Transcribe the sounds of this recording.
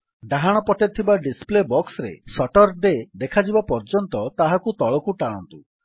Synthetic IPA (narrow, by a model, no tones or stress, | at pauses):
ɖaɦaɽ̃ɔpɔʈet̪ʰibaɖisplebɔksɾḛsɔʈɔɾd̪ed̪ekʰad͡ʒibapɔɾd͡ʒɔnt̪ɔt̪aɦakut̪ɔɭɔkuʈaɽ̃ɔ̰nt̪u